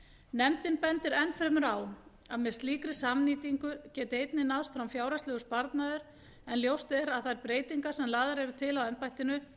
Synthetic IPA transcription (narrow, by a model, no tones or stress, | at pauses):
nɛmt̪ɪnpɛnt̪ɪɾɛnːfɾɪmʏɾaw | aðmɛst̪liːkɾɪsamniːt̪iŋkʏcɛːt̪ɪejt̪nɪnaðst̪fɾamfjaːwɾaslɛːɣʏspaɾt̪naðʏɾ̥ | ɛnljowst̪ɛɾaðθaɪɾpɾeːjt̪iŋkḁsɛmlaːðaɾɛɾʏt̪ʰɪlawɛmpajht̪ɪnʏ